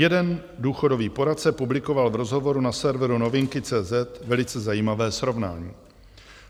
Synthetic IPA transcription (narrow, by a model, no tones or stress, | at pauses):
jɛdɛn | duːxo̞do̞viːpo̞ɾat̪sɛpublɪko̞valvɾo̞zɦo̞vo̞ɾunasɛɾvɛɾuno̞vɪŋkɪt͡sɛːzɛt̪vɛlɪt͡sɛzajiːmavɛːsɾo̞vna̰ːɲiː